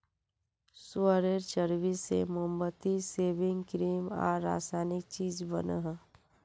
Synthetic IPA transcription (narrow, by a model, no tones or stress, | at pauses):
suəɾeɾt͡ʃəɾbisḛmumbət̪iseːbɪ̃ŋɡkɾiːmɔ̰ːɾːa̰ːsajnɪk̚t͡ʃiːd͡ʒbə̰nəɦ